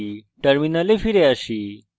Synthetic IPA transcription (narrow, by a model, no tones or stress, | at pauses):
ʈəɾminəlefiɾeaʃi